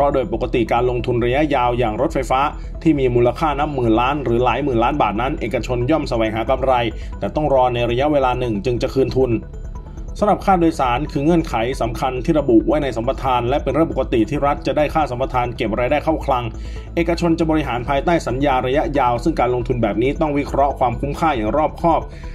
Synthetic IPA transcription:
pʰɾɔ˦˥doː˧jpo˨˩kːa˧t̪i˨˩kaː˧nlo˧ŋt̪ʰu˧nɾa˧ja˦˥ʔjaː˧wjaː˨˩ŋɾo˦˥t̪̚fa˧jfaː˦˥ | t̪ʰiː˥˩miː˧muː˧la˧kʰaː˥˩na˦˥p̚mɯː˨˩nlaː˦˥nɾɯː˩˦laː˩˦jmɯː˨˩nlaː˦˥nbaː˨˩t̪̚na˦˥nʔeː˨˩ka˧t͡ɕʰo˧njɔ˥˩msa˧wɛː˩˦ŋɦaː˩˦ka˧mɾa˧j | t̪ɛː˨˩t̪ɔ˥˩ŋɾɔː˧na˧jɾa˧ja˦˥ʔweː˧laː˧nɯ˨˩ŋt͡ɕɯ˧ŋt͡ɕa˨˩kʰɯː˧nt̪ʰu˧n | sa˧˥ɾa˨˩p̚kʰaː˥˩doː˧jsaː˩˦nkʰɯː˧ŋɤ˧˥ənkʰa˨˩˦jsa˩˦mkʰa˧nt̪ʰiː˥˩ɾa˧bu˨˩ʔwa˦˥jna˧jsa˨˩˦mpa˧t̪ʰaː˧nlɛ˦˥pe˧nɾɯ˥˩po˨˩ka˧t̪i˨˩t̪ʰiː˥˩ɾa˦˥t̪̚t͡ɕa˨˩daː˥˩jkʰaː˥˩sa˨˩˦mpa˧t̪ʰaː˧nke˨˩p̚ɾaː˧jdaː˥˩jkʰa˥˩wkʰla˧ŋ | ʔeː˨˩ka˧t͡ɕʰo˧nt͡ɕa˨˩bɔː˧ɾi˦˥ɦaː˩˦npʰaː˧jt̪aː˥˩jsa˩˦njaː˧ɾa˧ja˦˥ʔjaː˧wsɯ˥˩ŋkaː˧nlo˧ŋt̪ʰu˧nbɛː˨˩p̚niː˦˥t̪ɔ˥˩ŋwi˦˥kʰɾɔ˦˥ʔkʰwaː˧mkʰuː˦˥mkʰaː˥˩jaː˨˩ŋɾɔː˥˩p̚kʰɔː˥˩p̚

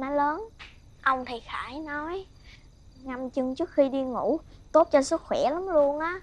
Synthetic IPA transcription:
nɔ˨˦ləː˨˦n | ʔə˧wŋ͡mt̪ʰi˨˩xaː˧˩˦jnɔ˨˦j | ŋa˨˩mt͡ɕɨ˧˩ŋt͡ɕɨ˦˥ək̚xi˧ɗi˧ŋu˧˩t̪o˦˥t̚t͡ɕɔ˧sɨ˦˥k̚xwɛ˧˩la˨˦mlu˧ənʔaː˨˦

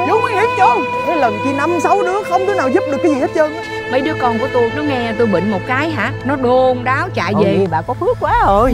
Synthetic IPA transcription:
zə˨˦ma˨˦˥n̚hi˦˥t̚t͡ɕə˧wŋ͡mʔɛ˨˦lə˨˩nki˧˩na˧msa˨˧wɗɨ̰˧˦əxə˧wŋ͡mt̪i˨˦naː˨˩wzu˦˥p̚ɗɨ˨˩əkːjzi˨˩ht̚t͡ɕə˧nʔaː˨˦ | mə̰˨˧˦jɗɨ˨˦əkɔ˧nku˧˩ət̪o˧jnɔ˨˦ŋɛ˧t̪o˧jɓə̰˧˨ŋ̟mo˨˩t̚kaː˨˦jɦa̰ː˧˥nɔ˨˦ɗo˧nɗaː˨˦wt͡ɕa̰ː˧˨jve˨˩ɓa̰ː˧˨kɔ˨˦fɨ˦˥əkːwaː˨˦o˧˩j

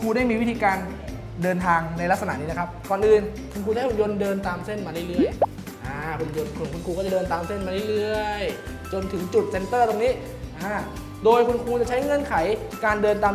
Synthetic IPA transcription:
kʰuː˧daː˥˩jmiː˧wi˦˥t̪ʰiː˧kaː˧n | dɤː˧nt̪ʰaː˧ŋna˧jla˦˥k̚sa˧a˨˩ʔni˦˥a˧kʰa˦˥p̚kɔː˨˩nʔɯː˧nkʰu˧nkʰuː˧a˥˨ʔu˧jo˧ndɤː˧nt̪aː˧mse˥˩nmaː˧ɯ˥˩jlɯ˥˩əj | ʔaː˧˩kʰu˧njo˧nkʰu˧nkʰu˧nkʰuː˧kɔː˥˩t͡ɕa˨˩dɤː˧nt̪aː˧mse˥˩nmaː˧lɯ˥˩jlɯ˥˩əj | t͡ɕo˧nt̪ʰɯ˩˦ŋt͡ɕu˨˩t̪̚se˧nt̪ɤː˥˩t̪o˧ŋniː˦˥ | ʔaː˧˩ | doː˧jkʰu˧nkʰuː˧t͡ɕa˨˩t͡ɕʰa˦˥jŋɤ˧˥˨nkʰa˩˦j | kaː˧ndɤː˧nt̪aː˧m

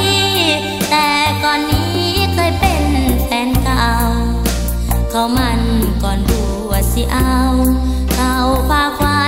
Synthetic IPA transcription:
t̪ɛː˧˩kɔː˨˩nːiː˦˥ | kʰɤː˧˩jpe˨˩np̪ɛː˨˦nkaː˧w | kʰa˧˩wma˧nkɔː˨˩npuː˧˩ | aː˩si˧ʔa˧w | kʰa˧wpʰaː˧˩kʰwaː˧

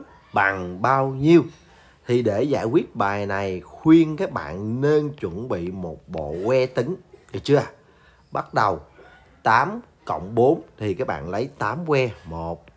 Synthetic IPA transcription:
ɓa˨˩ŋɓaː˧wɲi˧əw | t̪ʰi˨˩ɗe˧˩zaː˧˩jkwi˦˥ət̚ɓaː˨˩jna˨˩jxwi˧ənkaː˦˥k̚ɓa̰ː˧˨nne˧nt͡ɕwə˧˩nɓḭ˧˨mo˨˩t̚ɓo̰˧˨kwɛ˧t̪ï˨˦ŋ˨˩t͡ɕɨ˧a˨˩ | ɓa˦˥t̚ɗə˨˩w | t̪aː˨˦m | kə̰˧˨wŋ͡mɓo˨˦nt̪ʰi˨˩kaː˦˥k̚ɓa̰ː˧˨nlə˨˦jt̪aː˨˦mkwɛ˧mo˨˩t̚

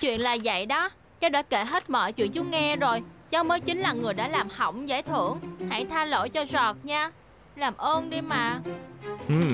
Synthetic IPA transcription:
t͡ɕwḭ˧˨ənlaː˨˩zə̰˧˨jɗɔ˨˦ | kaː˨˦˥ɗɔː˧˥ke˧˩ɦe˦˥t̚mɔ̰ː˧˨jt͡ɕwḭ˧˨ənt͡ɕu˨˦˥ŋɛ˧zo˨˩jt͡ɕɔ˧məː˨˦jt͡ɕï˨˦ŋ̟laː˨˩ŋɨ˨˩əjɗa̰ː˧˥laː˨˩mhə̰˧˩wŋ͡mzaː˧˦jt̪ʰɨ˧˩˨əŋha̰˧˨jt̪ʰaː˧lo̰˧˥jt͡ɕɔ˧zɔ˨˩t̚ɲaː˧ | laː˨˩mʔəː˧nɗi˧maː˨˩ | ʔɨ˨˩

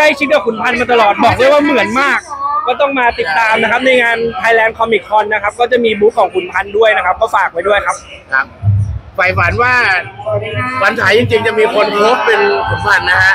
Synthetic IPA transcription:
kla˥˩jt͡ɕʰi˦˥kaː˨˩pʰu˨˩˦npʰa˧nmaː˧t̪̬a˧lɔː˨˩t̪̚bɔː˨˩k̚du˥˩əjwaː˥˩mɯ˨˩˦ənmaː˥˩k̚ːɔː˥˩t̪ɔ˥˩ŋmaː˧t̪i˨˩t̪ːaː˧mna˦˥kʰa˦˥p̚na˧jŋaː˧nt̪ʰaː˧jlɛː˧nkʰɔ˧mi˨˩kʰːɔ˧nːa˦˥kʰa˦˥p̚kɔː˥˩t͡ɕa˨˩miː˧buː˦˥k̚ʰːɔː˩˦ŋkʰu˩˦npʰa˧ndu˥˩əjna˦˥kʰa˦˥p̚kɔː˥˩faː˨˩k̚pa˧jdu˥˩əjkʰa˦˥p̚ | kʰa˦˥p̚fa˨˩jfa˨˩˦nwaː˥˩ | wa˧˦nt͡ɕʰaː˨˩˦jt͡ɕi˧ŋt͡ɕi˧ŋt͡ɕa˨˩miː˧kʰo˧npʰoː˦˥pːe˧nkʰu˨˩˦npʰa˧nːa˦˥kʰa˦˥ʔ

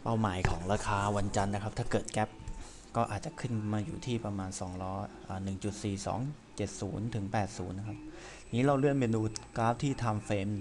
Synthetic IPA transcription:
pa˥˩wmaː˩˦jkʰɔː˩˦ŋɾaː˧kʰaː˧wa˧nt͡ɕa˧nːa˦˥kʰa˦˥p̚t̪ʰaː˥˩kɤː˨˩t̪̚kɛ˦˥p̚ | kɔː˥˩ʔa̰ː˨˩t̪̚t͡ɕa˨˩kʰɯ˥˩nmaː˧juː˨˩t̪ʰiː˥˩pɾa˧maː˧nsɔː˩˦ŋɾɔː˦˥ʔəː˨˩nɯ˨˩ŋt͡ɕu˨˩t̪̚siː˨˩sɔ̰ː˩˦ŋ | t͡ɕe˨˩t̪̚suː˩˦nt̪ʰɯ˩˦ŋpɛː˨˩t̪̚suː˩˦nːa˦˥kʰa˦˥p̚ | niː˦˥ɾa˧wɾɯ˥˩ənmeː˧nuː˧˩t̪̚kaː˦˥p̚t̪ʰiː˥˩t̪ʰa˧mfeː˧m

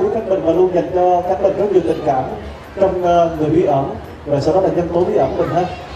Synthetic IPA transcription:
u˧˦kaː˦˥ɓï˨˩ŋ̟maː˨˩lu˧ənzə˨˩jŋ̟t͡ɕɔ˧kaː˦˥k̚ɓə˨˩zə˨˦wzɨ̰˨˩t̪ï˨˩ŋ̟kaː˧˩˨m | t͡ɕɔ˧wŋ͡mŋɨ˨˩əjɓi˧˥ʔəː˧˩n | vaː˨˩saː˧wɗɔ˨˦laː˨˩ɲə˧nt̪o˨˦ɓi˧ʔəː˧˩kmï̟˨˩ɦaː˧j

